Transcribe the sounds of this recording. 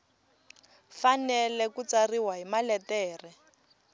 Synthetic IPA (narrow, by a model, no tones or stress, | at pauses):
fanɛlɛkut͡sariwaɦimalɛtɛːrɛ